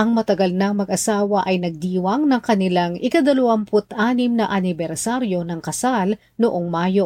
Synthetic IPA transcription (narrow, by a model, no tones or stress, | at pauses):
ʔɐŋmɐt̪ɐɡɐlnɐŋmɐɡʔɐsaːwɐʔɐjnɐɡ̚d̪iːwɐŋnɐŋkɐnɪlaŋʔɪkɐd̪ɐlʊwɐmpʊt̪ʔaːnɪmnɐʔɐnɪbɛɾsaɾjo̞nɐŋkɐsal | nʊʔoŋmaːjo̞